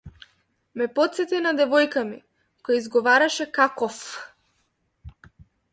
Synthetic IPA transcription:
mɛpɔt̪sɛt̪inad̪ɛvɔjkamḭ | kɔjaizɡɔvaɾaʃɛkakɔf

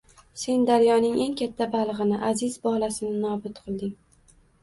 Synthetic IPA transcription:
se̞nd̪aɾjɒnɪŋʔe̞ŋkʲat̪ʰːabalˠʁɨnɪʔazɪzbɒlˠasɪnɪnɒbʊt̪qʰɨlˠd̪ɪŋ

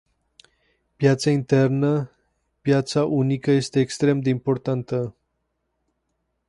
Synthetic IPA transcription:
pjat̪saint̪e̞rnə | pjat̪saʔunikəje̞st̪e̞ːkst̪ɾe̞md̪e̞impo̞rt̪ant̪ə

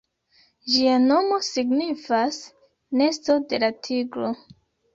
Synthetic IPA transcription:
d͡ʒiano̞mo̞siɡnifas | ne̞sto̞de̞latʰiɡɾo̞

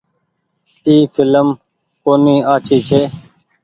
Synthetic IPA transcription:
iːfɪləm | koːniːaːt͡ʃʰiːt͡ʃʰeː

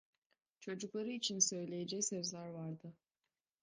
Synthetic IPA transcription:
t͡ʃʰo̞d͡ʒuklˠaɾɯit͡ʃʰinsø̞jlʲe̞jed͡ʒɛcsø̞zlʲæɾvaɾd̪ɯ

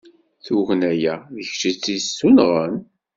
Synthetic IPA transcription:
θuɣnæjæðəçt͡ʃit͡sːisunʁən

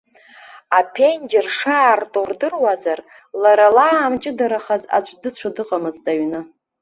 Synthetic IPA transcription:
apʰend͡ʒerʂaːrtʼurdɨrwazar | laɾalaːmt͡ʃʼɪdaɾaχaza̰t͡ɕʷʼdɨt͡ɕʷʰadɨqʼamɨztʼaɥnɨ

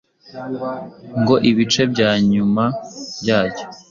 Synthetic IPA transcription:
ŋɡo̞ʔiβit͡ʃe̞bɟaːɲumabjaːɟo̥

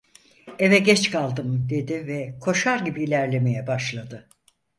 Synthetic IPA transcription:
evɛɟɛt͡ʃkʰalˠd̪ɯmd̪e̞d̪ivɛkʰo̞ʃaɾɟibiːlʲæɾlʲe̞me̞jɛbaʃlˠad̪ɯ

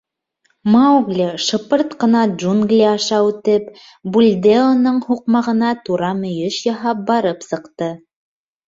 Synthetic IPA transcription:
mawɡlʲeʃɤ̆pɤɾt̪qɤ̆nɑdʒuŋɡlʲiɑʃɑʉt̪ɘp | bulʲd̪ʲeonɤɴhuqmɑʁɤ̆nɑt̪uɾɑmɵ̆jɘʃjɑɦɑp̚bɑɾɤpsɤ̆qt̪ɤ

